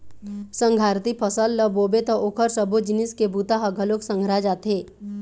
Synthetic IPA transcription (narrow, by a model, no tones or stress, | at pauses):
sə̃ŋɡʱaːɾt̪ipʰəsəlːəboːbet̪ɔʔoːkʰəɾsəbʱod͡ʒɪnɪskebuːt̪aɦəɡʱəloksə̃ŋɡʱɾad͡ʒaːt̪ɦeː